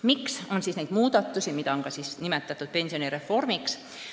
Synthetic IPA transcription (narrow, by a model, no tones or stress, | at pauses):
mikso̞nsiːsnejd̪̥muːd̪̥ɑt̪ːusimit̪ɑoŋkɑsisnimet̪ːˑɑt̪ːˑut̪̚pe̞nsio̞niɾe̞fːo̞rmiks